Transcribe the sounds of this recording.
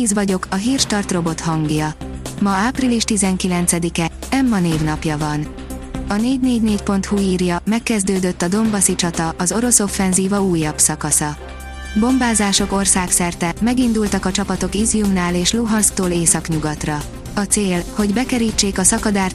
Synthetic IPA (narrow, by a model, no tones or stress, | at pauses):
izvɒɟo̞kɒɦiːrʃt̪ɒrt̪ro̞bo̞t̪hɒŋɡjɒmɒaːpriliʃt̪izɛŋkilɛnt̪sɛd̪ikɛ | ɛmːɒneːvnɒpjɒvɒn | ɒneːɟneːɟneːcpo̞nt̪huiːrjɒmɛkːɛzd̪øːd̪øt̪ːɒd̪o̞mbɒsit͡ʃɒt̪ɒʔɒzo̞ɾo̞so̞fːɛnziːvɒuːjːɒbsɒkɒsɒ | bo̞mbaːzaːʃo̞ko̞rsaːksɛrt̪ɛmɛɡind̪ult̪ɒkɒt͡ʃɒpɒt̪o̞kizijumnaːleːʃluɦɒnst̪oːleːsɒkɲuɡɒt̪rɒ | ɒt̪seːlho̞ɟbɛkɛɾiːt͡ʃːeːkɒsɒkɒd̪aːrt̪